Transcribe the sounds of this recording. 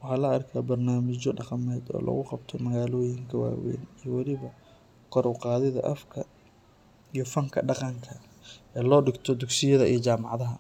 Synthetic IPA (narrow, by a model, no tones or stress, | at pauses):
wɑħɑːlɐɐrkʰaːbɐrnaːmɪt͡ʃɔɖɑqɑmɛːd̪ɔ̰ːlʔɐ̰ɣʊqɑbt̪ʰɔmɐɣaːlɔːjɪŋkʰɐwa̰ːwɛ̰nijɔwɑlɪβɐ | kʰɔɾʊqɑːðɪðɐʔɐfkʰɐ | ijɔfɐŋkʰɐɖɑqɑŋkʰɐ | ɛːlɔːɖɪɡt̪ʰɔd̪ʊɡsɪjɐðɐijɞt͡ʃaːmɑʕðɐɦɐ